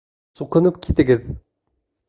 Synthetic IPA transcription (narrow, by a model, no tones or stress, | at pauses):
suqɤ̆nəpkʲʰit̪ɪ̆ɡɪð